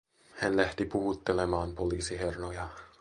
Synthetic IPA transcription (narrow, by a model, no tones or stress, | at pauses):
hænlæht̪ipuhut̪ːe̞le̞mɑːmpo̞liːsiɦe̞rnojɑ